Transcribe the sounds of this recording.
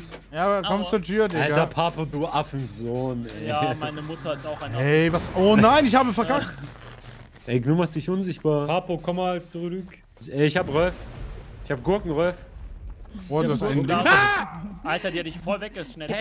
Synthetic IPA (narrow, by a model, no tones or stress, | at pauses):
jaːkʰɔmt͡suːɐtʰyːɐdɪalɡɐpʰaːpoduːʔafn̩zoːnɛɪjaːmaɪnəmʊtʰɐɪstaʊxaɪnɛɪvasʔoːnaɪnɪçhaːbəfɛɐkʰakt | ʔɛɪɡnuːmaχtz̥ɪçʔʊnzɪçt̚b̥aːɐpʰapokʰɔmːaːlt͡suʁydʏk | ɛːɪçhaːbəʁɔlfɪçhaːbəɡʊɐkŋ̩ʁɔlf | ʔoːduːhastaɪn | ʔaltɐdeːɐdɪçfɔlvɛk̚əʃnɛ